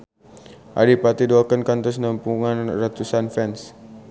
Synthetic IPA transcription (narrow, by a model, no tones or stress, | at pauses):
ʔa̰dipat̪idɔlkənkant̪ɔsnampuŋanrat̪usanfɛns